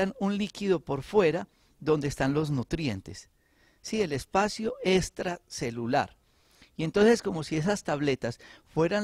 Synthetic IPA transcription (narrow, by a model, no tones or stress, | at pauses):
anunlikiðo̞po̞ɾfwe̞ɾa | ðo̞nd̪eeːst̪anlo̞znut̪ɾje̞nt̪e̞̰s | sie̞le̞spasjoe̞st̪ɾase̞lula̰ɾ | ie̞nt̪o̞nse̞sko̞mo̞sie̞sast̪aβle̞t̪asfwe̞ɾan